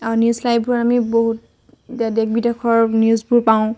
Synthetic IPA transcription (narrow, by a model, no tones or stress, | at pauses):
anjuslajb̚ʱbuɹɔamiboɦut | dadek̚bidekʰɔɹniuzbuɹpaʊ̃